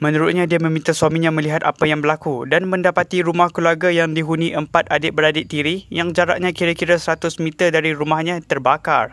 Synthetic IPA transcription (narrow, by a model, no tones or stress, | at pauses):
mə̃nuɾut̪̚ɲãdiamə̃mĩnt̪aswamĩɲãmə̃liɦat̪apajaŋbəlakudanmə̃ndapat̪iɾumahkluarɡajaŋdiɦuniʔəmpat̪̚adɪʔ̚bəɾadɪʔ̚t̪iɾijaŋd͡ʒaɾa̰ʔ̚ɲãkiɾakiɾasəɾat̪ʊsmĩt̪ərdaɾiɾumahɲãt̪ərbaka̰r